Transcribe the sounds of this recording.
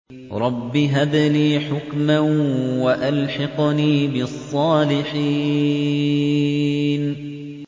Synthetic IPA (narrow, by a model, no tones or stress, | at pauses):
ɾˤɑbːiɦad̪niːħʊkmawaʔalħɑqniːbɪɑsˤːɑːlɪħi | n